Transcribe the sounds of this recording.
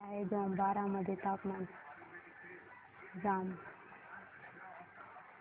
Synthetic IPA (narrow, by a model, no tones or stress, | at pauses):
aeɡ̪oambaːɾaməd̪ʱjet̪apman | d͡zam